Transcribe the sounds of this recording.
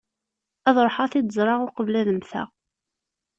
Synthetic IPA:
æðˤɾˤħɑθid̪əzˤɾˤɑʁʊqəvlæðəmθæ̰

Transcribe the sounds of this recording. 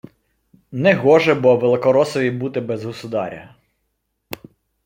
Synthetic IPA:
nɛɦɔʒɛbɔʋelˠɪkɔɾɔsɔʋʲibut̪ɪbɛzɦɔsʊd̪ɑ̰ɾʲɐ̰

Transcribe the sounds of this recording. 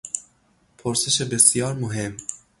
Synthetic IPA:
pʰoɾseʃebɨsijɑːɾmuɦem

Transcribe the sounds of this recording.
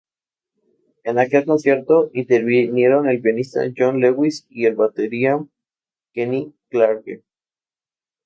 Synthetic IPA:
e̞nake̞lko̞nsje̞ɾt̪o̞ʔint̪eɾβinje̞ɾo̞ne̞lpjonist̪a̰ʝonleɣwisie̞lβat̪eɾia | keniklaɾkḛ

